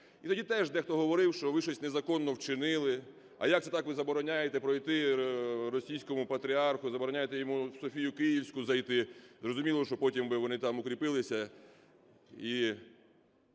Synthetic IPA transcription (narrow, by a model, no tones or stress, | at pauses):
it̪ɔdʲit̪ɛʒd̪ɛxt̪ɔɦɔʋɔɾɪwʃt͡ʃɔʋɪʃɔsʲtʲnezɐkɔnːɔwt͡ʃɪnɪlˠɪ | ɐ̰jɐkt̪ɛt̪ɑkʋɪzɐbɔɾɔnʲajet̪ɛpɾɔjt̪ɪrɔsʲijsʲkɔmʊpɐt̪ɾʲiɑrxʊzɐbɔɾɔnʲajet̪ɛjɔmuwsɔfʲijʊkɪjiwsʲkʊzɐjt̪ɪzrɔzʊmʲilˠɔʃt͡ʃɔpɔtʲimbɪʋɔnɪt̪ɑmʊkɾʲipɪlˠɪsʲɐ | i